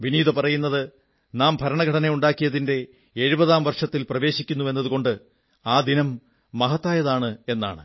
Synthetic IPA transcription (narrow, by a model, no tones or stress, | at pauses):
ʋiniːðɐpɐrɐjunːɐðɨ | naːmbʱɐɾɐɳɐɡʱɐɽɐnejuɳɖaːkːijɐðinde̞ː | ɻubɐðaːmʋɐrʂɐt̪ːilprɐʋe̞ːɕikʲːunːuʋe̞nːɐðuko̞ɳɖɨ | aːd̪inɐmː | ɐɦɐt̪ːaːjɐðaːɳɨe̞nːa̰ːɳɨ̰